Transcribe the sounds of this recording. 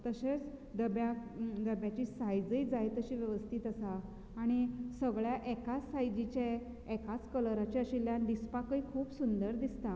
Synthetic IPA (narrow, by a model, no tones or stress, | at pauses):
t̪əɕet͡s | d̪əbjad̪əbjat͡ɕiːsajd͡zəid͡zajt̪əɕiːʋjəʋəst̪ʰiːt̪əsaː | ɽ̃isəɡɭjaʔekat͡sːajd͡ʑit͡ɕe | ekat͡skələɾat͡ɕaəɕiljanɖispakəikʰuːpsund̪əɾd̪ist̪a